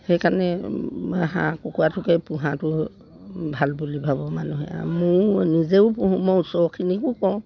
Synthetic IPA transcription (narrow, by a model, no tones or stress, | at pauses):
xejkanɛaɦã̰kɔkuatʰʊkɛpũɦãtʊ | bʱalbulibʱabɔmanuɦɛ̰a̰mʊnizeʊpuɦũmɔwsɔkʰinikʊkɔw̃